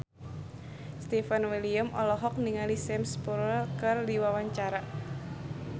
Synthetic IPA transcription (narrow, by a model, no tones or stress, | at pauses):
st̪ifanwiliamʔɔ̰lɔɦɔk̚niŋalisɛmspuɾəlkɨrdiwawaɲt͡ʃaɾa